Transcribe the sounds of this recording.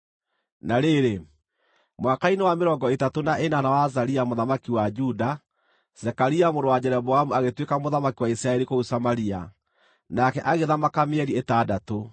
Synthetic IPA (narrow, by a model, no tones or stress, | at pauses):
naɾeɾe | mwakainewameɾɔːŋɡɔetatonaʔenanawazaɾiamoðamakiwad͡ʒuda | z̥ɛkaɾiamoɾowad͡ʑɛɾɛbɔamuaɣetwekamoðamakiwaisɾaɛɾikousamaɾia̰ | nakɛʔaɣeðamakameɛɾietaːdato